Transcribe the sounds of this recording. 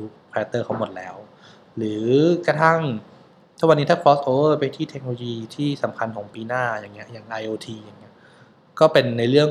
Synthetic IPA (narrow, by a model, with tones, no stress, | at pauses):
uː˧˥pʰɛː˧˦˥t̪ːɤː˥˩kʰa˧˩wmo˨˩t̪̚lɛ̰ː˦˥w | ɾɯː˩˦kɾa˧t̪ʰa˥˩ŋ | t̪ʰa˥wa˧˩niː˦˥aː˥˩kʰɾɔː˦˥sʔoː˧wə˥˩pa˧jt̪ʰiː˥˩t̪ʰe˧k̚no˧o˧jiː˧t̪ʰiː˥˩sa˩˦mkʰa˧nkʰɔː˩˦ŋpiː˧naː˥˩jaː˨˩ŋːi˦˥ɐʔjaː˨˩ŋʔa˧jʔoː˧t̪ʰiː˧jaː˨˩ŋːi˦˥ɐ | kɔː˥˩pe˧nːa˧jɾɯ˥˩əŋ